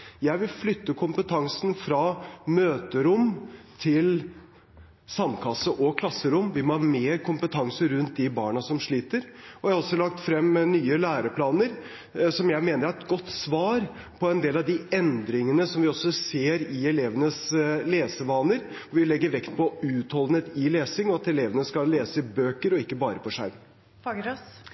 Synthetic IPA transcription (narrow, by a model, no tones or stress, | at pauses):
jæɪʋɪlflʏt̪ːəkʰʊmpət̪ʰɑŋsnfɾɑmøːt̪əɾʊmt̪ʰɪl | sɑmːkʰɑsəʔɔkʰlɑsːəɾʊmːʋɪmɔhɑɾmeːɾkʰʊmpət̪ʰɑŋsəɾʉnt̪̚d̪ɪbɑ̰ːɳɑsɔmʂɭiːt̪əɾɔɑɑɾɔsːɔlɑk̚t̪fɾɛmnyːəlæːɾəpʰlɑːnəɾ | sɔmjæɪmeːnəɾæɾɛt̪̚ɡɔt̪ːsʋɑːɾ | pʰɔɛnd̪eːlɑʋd̪ɪɛnd̪ɾɪŋənəsɔmʋɪɔsːɔseːɾɪɛleːʋənəsleːsəʋɑːnəɾɔʋɪlɛɡːəɾʋɛkt̪pʰɔʉːt̪hɔld̪ət̪ɪleːsɪŋɔɑt̪ɛleːʋənəskɑleːsəɪbøːkəɾɔɪkːəbɑːɾəpʰɔʂæ̰ɾm